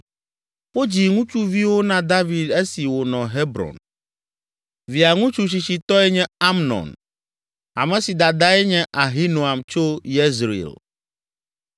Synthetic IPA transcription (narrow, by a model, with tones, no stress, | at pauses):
ɸo˦d͡ʑi˨ŋũ˦t͡ʃu˦vi˦wo˦nã˦d̪a˦vi˨d̪e˦si˨wo˨nɔ̃˨ɦe˦bɾɔ̰˨n | vi˨a˨ŋũ˦t͡ʃu˨ɕ̬i˨t͡ɕi˨t̪ɔ˦ɛ˦ɲɛ̃˦a˦mnɔ̰̃˨n | a̰˨mɛ̃˨si˨d̪a˨d̪a˦ɛ˦ɲɛ̃˦ʔa˨ɦi˦nũ˨a˨mt͡ʃo˦je˦zɾḭ˨l